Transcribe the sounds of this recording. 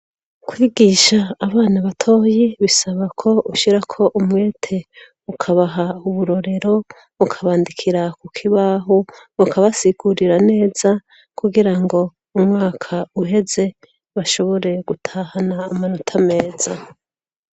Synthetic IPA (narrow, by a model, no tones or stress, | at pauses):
kwiːɡiʃaːβaːnaβatʰo̞ːjiβisaβakʰo̞uʃiɾakʰo̞ʔumwe̞ːtʰe̞ | ukʰaβaɦauβuɾo̞ɾe̞ɾo̞ | βukʰaβaːndikʰiɾakukʰiβaɦoβukʰaβasiɡ̥uɾiɾane̞ːz̥a | kuɡiɾaŋɡo̞ | umŋaːkʰauɦe̞ze̞ | βaʃo̞βo̞ɾe̞ɡutʰaːhanaːmanotʰame̞ːz̥a